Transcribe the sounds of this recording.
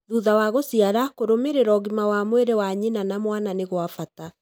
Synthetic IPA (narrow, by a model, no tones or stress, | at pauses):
ðuðawaɣosiaɾakoɾomeɾeɾɔɣimawamweɾewaɲinanamwananeɣwafata